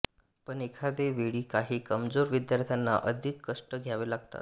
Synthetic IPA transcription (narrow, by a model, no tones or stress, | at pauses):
pəɳekʰad̪eʋeɭiːkaɦiːkəmd͡zoɾʋid̪jaɾt̪ʰjanːa̰ʔəd̪ʱikːəʂʈəɡʱjaʋelaɡ̚t̪a̰t̪